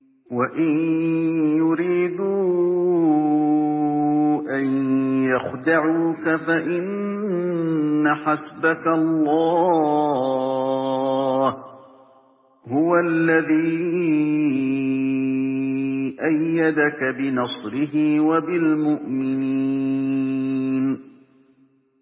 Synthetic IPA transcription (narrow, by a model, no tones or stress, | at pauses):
waʔɪn | jʊɾiːd̪u | ʔanjaxd̪aʕuːkafaʔɪn | aħasbakalˤːɑː | h | hʊwalːaðiː | ʔajːad̪akabɪnɑsˤɾɪɦɪwabɪlmʊʔmɪni | n